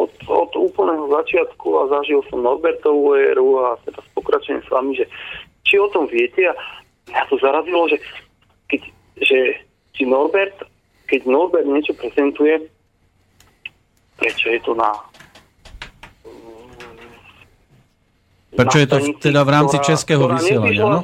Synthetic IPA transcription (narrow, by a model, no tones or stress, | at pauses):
ɔt̪ɔ̰d̪uːpl̩nɛːɦɔzat͡ʃɪat̪kuazaʒilsɔmnɔɾbɛɾt̪ɔʊɔɛɾuat̪ɛɾaspɔkɾat͡ʃɛɛsʋa̰miʒɛ | t͡ʃiɔt̪ɔmʋɪɛcɛa | mɲat̪ɔzaɾazilɔʒɛ | kɛc | ʒɛ | sinɔɾbɛɾt̪ | kɛɟnɔɾbɛɾd̪ɲɛt͡ʃɔpɾɛzɛnt̪ujɛ | pɾɛt͡ʃɔjɛt̪ɔna | pɾɛt͡ʃɔjɛt̪ɔɛd̪avɾaːmt͡sit͡ʃɛskɛːɦɔʋisɲɛɪɛlaɲʃɪanɔ